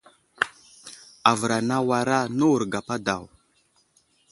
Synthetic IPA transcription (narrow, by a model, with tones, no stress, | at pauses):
a˨və˨ɾa˨na˦wa˨ɾa˦nə˦wu˨ɾɡa˨pa˦da˨w